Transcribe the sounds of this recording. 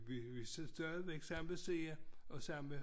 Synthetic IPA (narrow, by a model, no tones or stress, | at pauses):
ʋiʋissd̥ɶɐʋeɡ̥sɑ̈m̰ʋese̝ːɐɒ̽sɑ̈m̰me